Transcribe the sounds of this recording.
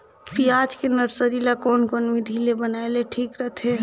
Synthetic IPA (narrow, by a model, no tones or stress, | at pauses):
piad͡ʒkenəɾsəɾilakoːnkonmid̪ʱilebənaeleʈʰiːkɾəɦt̪ʰe